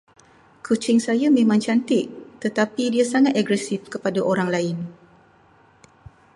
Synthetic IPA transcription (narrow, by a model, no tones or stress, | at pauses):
kʰut͡ʃɪŋsajamẽmãŋt͡ʃant̪ɪʔt̪ət̪apidiasaŋat̪aɡɾɛsɪfkəpadaʔoɾaŋlaɪn